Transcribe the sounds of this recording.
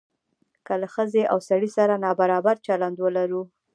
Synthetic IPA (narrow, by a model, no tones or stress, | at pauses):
kəlaxəzeʔawsaɽisaɾanɑbaɾɑbaɾt͡ʃaland̪wəlaɾu